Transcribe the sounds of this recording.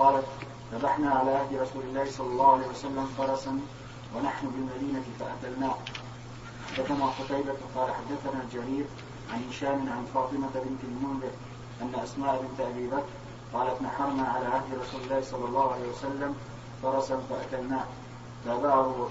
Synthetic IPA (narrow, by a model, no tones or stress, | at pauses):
qɑːlat̪ | θabaħnaːʕalaːʔahd̪ɾˤɑsuːlɪlːaːhsˤɑlːɑlˤːɑːhʊʕalaːhiwasalːamfɑɾˤɑsan | wanaħnʊbɪlmad̪iːnat̪ɪfaʔat̪alnaːh | ħad̪ːaθanaːxʊt̪ɑjbaqɑːlaħad̪ːaθanaːd͡ʒaɾiːɾ | ʕanhɪʃaːmɪnʕanfɑːt̪ˤɨmabɪnt̪almʊndɪɾ | ʔanːaʔasmaːʔabɪnt̪aʔabiːbakɾ | qɑːlat̪naħɑɾˤnaːʕalaːʔahd̪ɪɾˤɑsuːlɪlːaːhsˤɑlːɑlˤːɑːhʊʕalaːhjwasalːam | fɑɾˤɑsanfaʔat̪alnaːh | labaʕɾʊ